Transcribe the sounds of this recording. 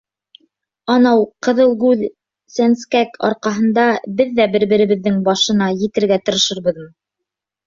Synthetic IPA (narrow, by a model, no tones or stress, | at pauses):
ɑnɑwqɤ̆ðɤlˠɡʉð | sænskækʰɑ̰ɾqɑɦɤ̆nd̪ɑbɘðːæbɘ̆ɾbɘ̆ɾɘ̆βɘ̆ðːɘŋbɑʃɤ̆nɑjɘ̆t̪ɘ̆ɾɡæt̪ɤ̆ɾɤ̆ʃɤ̆ɾbɤ̆ðmɤ